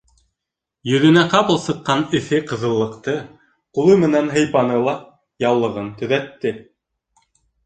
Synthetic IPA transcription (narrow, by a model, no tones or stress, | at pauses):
jɵ̆ðɵ̆næqɑpɤlˠsɤ̆qːɑnɘ̆θɘqɤ̆ðɤ̆lˠːɤ̆qt̪ɤ | qulˠɤmɘ̆nænɦɤ̆jpɑnɤlˠɑ | jɑwlˠɤ̆ʁɤnt̪ɵ̆ðæt̪ːɘ